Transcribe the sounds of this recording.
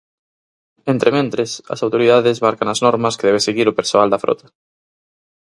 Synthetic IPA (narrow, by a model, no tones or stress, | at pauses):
ent̪ɾemẽnt̪ɾɪsɐ̰sawt̪oɾiðaðɪzmaɾkaŋɐznɔɾmɐskeðɛβeseɣiɾʊpeɾsoald̪ɐfɾɔ̰t̪ɐ̥